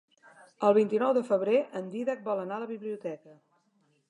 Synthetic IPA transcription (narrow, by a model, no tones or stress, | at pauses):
əlˠβ̞int̪inɔwðəfəβɾeʔənd̪iðək̚bɔlənaləβiβliut̪ɛkə